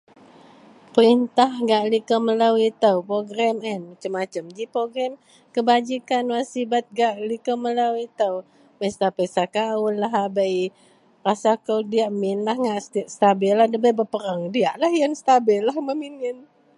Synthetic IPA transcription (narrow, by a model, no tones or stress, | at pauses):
pəɾint̪ahɡaʔlikəmələwit̪əwpɾoɡɾɛmɛnat͡ʃəmːat͡ʃəmd͡ʒipɾoɡɾɛm | kəbad͡ʒikanwasibat̪̚ɡaʔlikəmələwit̪əw | bəjst̪apəsakaʊnlaɦabəj | rasakəwdiaʔmɪnlahŋɡaʔst̪ʔst̪abɪlːahdəbəjbəpəɾəŋdiaʔlahjanst̪abɪlːahməminɪn